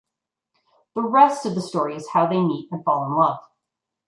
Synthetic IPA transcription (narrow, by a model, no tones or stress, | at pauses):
ðəɹɛstʌvðəstɔɹiɨz̥haʊðeɪmiɾɨ̃nfɑlˠʊə̃nlʌv̥